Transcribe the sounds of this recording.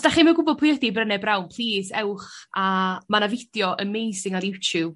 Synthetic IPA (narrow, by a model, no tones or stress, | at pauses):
sd̥aχiːmɛwɡʊbɔd̚pʰʊjədibrənɛbrawnpʰl̥ˠiːsɛwχamanavɪd̥jɔʔəmejsɪŋaɾjutʰjub̥̚